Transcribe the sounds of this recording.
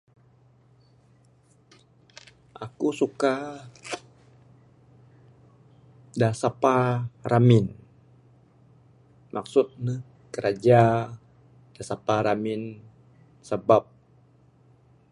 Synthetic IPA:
ʔakusuka | dasaparamɪn | mʔaksʊt̪̚nə | kəɾad͡ʒa | d̥asapaɾamɪn | səbap̚

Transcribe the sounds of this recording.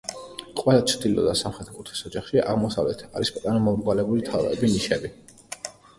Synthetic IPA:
qʼwɛlˠat͡ʃʰd̪ilɔ̰d̪asamχɾɛt̪ʰkʼut̪ʰi̥sɔd͡ʒaχʃiʔa̰ʁmɔsavlɛt̪ʰaɾispʼt̪ʼanɔmɔmɾɡwalɛbulit̪ʰavɛ̰biniʃɛbi

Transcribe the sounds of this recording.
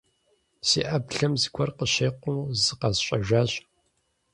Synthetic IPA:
sḭːʔɐbɬɐmzɨkʷʰɔrqəɕeːqʷʊzɨqɐzɕʼɐʒʷaːɕ

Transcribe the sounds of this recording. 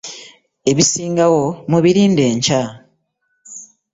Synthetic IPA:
e̞βisiːŋɡawomuβiɾiːnde̞ːɲca

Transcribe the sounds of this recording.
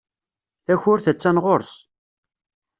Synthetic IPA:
æçʊɾθæt͡sːænʁoɾθ

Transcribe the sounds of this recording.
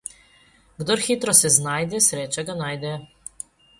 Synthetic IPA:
ɡd̪ɔɾxit̪ɾɔsɛznajd̪ɛsɾeːt͡ʃaɡanajd̪ɛ

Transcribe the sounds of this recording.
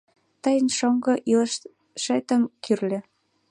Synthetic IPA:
t̪əjə̆nʃoŋɡɤ̆ʔiləʃ | ʃet̪ə̆mkyrlʲĕ

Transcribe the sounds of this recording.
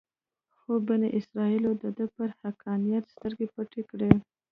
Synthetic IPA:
xobaneʔɪsɾɑilod̪əd̪əpəɾhakʰɑnijat̪st̪əɾɡepəʈekɽe

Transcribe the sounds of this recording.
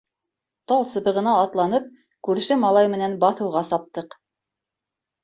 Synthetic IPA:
t̪ɑlˠsɤ̆bɤ̆ʁɤ̆nɑːt̪lˠɑnɤp̚ | kʉɾʃɘmɑlˠɑjmɘ̆nænbɑθɤ̆wʁɑsɑp̚t̪ɤq

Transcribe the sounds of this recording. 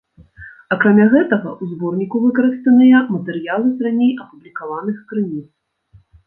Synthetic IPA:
ɐkɾamʲaɣɛt̪ɐɣɐʔuzbɔrnʲikuvɨkɐɾɨst̪ɐnɨjɐmɐt̪ɛɾɨjalˠɨzɾanʲejɐpublʲikavanɨxkɾɨnʲit̪s

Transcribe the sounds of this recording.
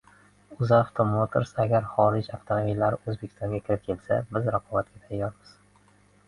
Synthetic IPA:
ʊzaft̪ʰomot̪ʰeɾsaɡʲaɾχɒɾɪd͡ʒaft̪ʰomobilːaɾɪɵzbekʰʲɪ̥st̪ɒŋɡʲakʲʰɪɾɪp̚kʲʰe̞lsa̰bɪzɾaqʰɒbat̪̚ɡʲat̪ʰajːɒɾmɪz̥

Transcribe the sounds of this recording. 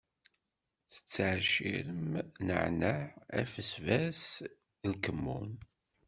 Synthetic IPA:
θə̥t͡sːʕʃḭɾəmnə̰ʕnəʕæ̰fəsvæs | lkəmːṵn

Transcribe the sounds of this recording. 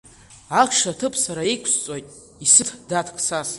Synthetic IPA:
aχʰʂatʰɨpʰʼsaɾaikʷʰst͡sʼojtʼ | isɨtʰdatʰkʰʼsaz

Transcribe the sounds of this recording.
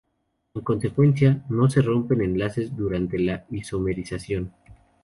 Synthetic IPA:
eŋko̞nse̞kwe̞ns̬jano̞se̞ro̞mpe̞ne̞nlase̞zðuɾant̪e̞laiso̞me̞ɾisasjo̞n

